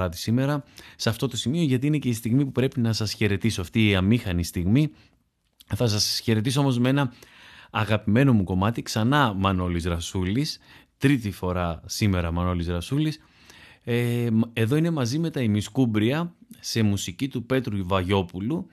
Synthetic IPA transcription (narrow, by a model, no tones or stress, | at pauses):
ɐt̪i̥sime̞ɾɐsɐft̪o̞t̪o̞simio̞ʝɐt̪iine̞ce̞ist̪iɣmipupɾe̞pinɐsɐsçe̞ɾe̞t̪isoɐft̪iːɐmixɐnist̪iɣmi | θɐs̬ɐsçe̞ɾe̞t̪isoo̞mozmee̞nɐː | ɣɐpime̞no̞muko̞mɐt̪iksɐnɐmɐno̞lizɾɐsulist̪ɾit̪ifo̞ɾɐsime̞ɾɐmɐno̞lizɾɐsulis | eeðo̞ine̞mɐzime̞t̪ɐimiskubɾiɐse̞musicit̪upe̞t̪ɾuivɐʝo̞pulu